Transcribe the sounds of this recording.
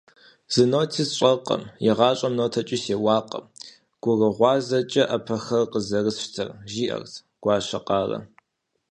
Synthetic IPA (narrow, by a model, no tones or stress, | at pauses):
z̥ɨnoːtʰizɕʼɐqʼɐ̰mjɪʁɑːɕʼɐmnoːtʰɐt͡ʃʼiseːwɑːqɐ̰m | ɡ̥ʷʊrəʁʷɑːzɐt͡ʃʼɐʔɐpʰɐxɐrqəzɐrɨsʃtʰɐrʒiːʔɐ̰rtʰ | ɡ̥ʷɑːɕɐqɑːrɐ̰